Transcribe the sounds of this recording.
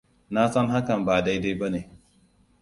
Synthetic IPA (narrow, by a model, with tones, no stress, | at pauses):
na˦sɐ˦ŋɦa˦kɐ˨mbaː˨da˦jda˦jbɐ˦neː˨